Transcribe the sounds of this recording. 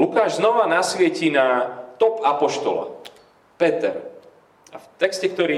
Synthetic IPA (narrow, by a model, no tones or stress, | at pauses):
lukaːʒznɔʋanasʋɪɛcinat̪ɔpapɔʃt̪ɔla̰ | pɛt̪ɛ̰ɾ | aft̪ɛkscɛkt̪ɔɾiː